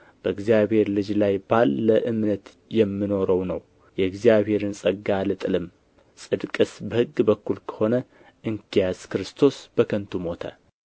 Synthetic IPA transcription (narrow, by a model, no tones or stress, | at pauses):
b̥əɨɡzijaβhe̞ɾlɨd͡ʒlajbalːəʔɨmnət̪ | jɛmːino̞ɾəwnəw | jɛɨɡzijaβhe̞ɾɨnsʼəɡːalɨt̪ʼɨlɨm | sʼɨd̪kʼɨsbəhɨɡːbəkːulkʰə̥ho̞nə | ʔɨŋkijaskɨɾɨst̪ʰo̞sb̥əkʰənt̪ʰumo̞t̪ʰə̰